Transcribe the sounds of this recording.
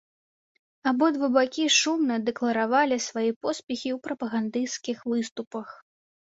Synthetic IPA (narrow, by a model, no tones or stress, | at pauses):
abɔd̪vɨbakʲiʂumnɐd̪ɛklˠɐɾavalʲisvajipɔspʲɛxʲiwpɾɐpɐɣand̪ɨskʲixvɨst̪upɐx